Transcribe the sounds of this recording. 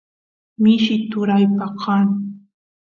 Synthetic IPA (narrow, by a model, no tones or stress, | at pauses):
mɪʃɪt̪ʊɾajpɑqʰɑn